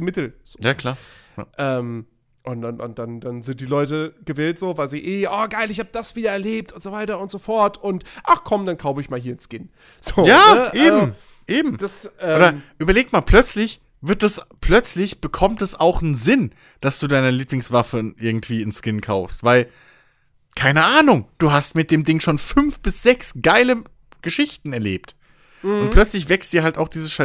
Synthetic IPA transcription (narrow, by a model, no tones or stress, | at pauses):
mɪtl̩zjaːkʰl̥a̰ːʔɛːm | ʔʊnʊnʊ̰nd̥andanzɪnt̚d̥iːlɔʏtəɡ̥əvɛːltz̥oːvaɪlziːʔeːʔaːɡaɪlɪçhaːbəd̥asv̥iːdɐɛɐleːp̚tʊntz̥ovaɪtɐʊntz̥ofɔɐtʊntʔaχkʰɔmd̥ankʰaʊfəɪçmaːlɦiːɐnskɪn | z̥oːjaːnəʔeaːzmo | ʔeːbm̩d̥asʔɛoːdɐʔyːbɐleːk̚tmaːlpʰl̥œt͡slɪç | vɪɐt̚d̥aspʰl̥œt͡slɪçb̥əkʰɔmtdɛsaʊxnzɪn | d̥asd̥uːdaɪnəliːplɪŋsv̥afəʔɪɐɡŋ̩tv̥iːɪnskɪnkʰaʊfstv̥aɪl | kʰaɪnəʔaːnʊŋd̥uːɦastmɪt̚d̥eːmdɪŋʃoːnfʏnfb̥ɪsz̥ɛksɡ̥aɪlə | ɡ̥əʃɪçtn̩ɛɐleːpt | ʔʊntplœt͡slɪç̬v̥ɛkst̚d̥iːɐhaltaʊxd̥iːzəsʃa